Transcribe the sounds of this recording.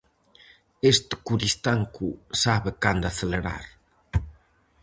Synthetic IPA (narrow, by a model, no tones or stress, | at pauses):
est̪ɪ̥kuɾist̪aŋkusaβɪkand̪ʊaθeleɾa̰ɾ